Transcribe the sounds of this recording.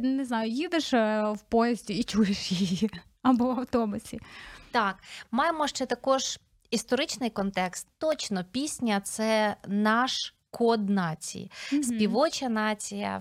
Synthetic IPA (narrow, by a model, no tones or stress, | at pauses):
neznɑjʊjid̪eʃwpɔjɛzʲdʲiːt͡ʃujeʃjijji | ɐbɔwɐwt̪ɔmɐsʲit̪ɑkmɑjemɔʃt͡ʃɛt̪ɐkɔʒ | ist̪ɔɾɪt͡ʃnɪjkɔnt̪ɛkst̪ːɔt͡ʃnɔpʲisʲnʲɐt̪sɛnɑʃ | kʰɔd̪nɑt͡sʲḭjsʲpʲiʋɔt͡ʃɐnɑt͡sʲijɐ̰